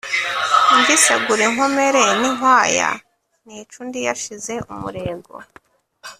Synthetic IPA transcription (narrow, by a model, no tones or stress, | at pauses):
iɲɡiʃaɡuɾiŋ̥o̞me̞ɾe̞niŋwaːja̰ | nit͡ʃundijaʃize̞ʔumṵɾe̞ːŋɡo̞̰